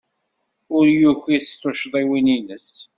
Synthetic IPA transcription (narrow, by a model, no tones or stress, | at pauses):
ʊɾjuçiθt̪ˤːoʃðˤiwininəs